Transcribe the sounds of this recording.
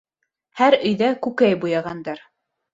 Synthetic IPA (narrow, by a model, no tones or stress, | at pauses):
hæɾɵ̆jðækʉkæjbujɑʁɑnd̪ɑɾ